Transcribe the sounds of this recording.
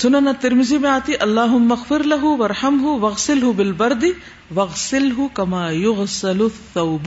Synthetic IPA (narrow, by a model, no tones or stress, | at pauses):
sʊnanat̪ɪɾmɪziːmeaːt̪iʔɐlːaːɦʊmːɐɣfɪɾlɐɦʊʋɐɾˤħɐmɦʊwɐɣsɪlɦʊbɪlbɐɾd̪ɪ | wɐɣsɪlɦʊkɐmaːjʊɣsɐlʊθːɐwb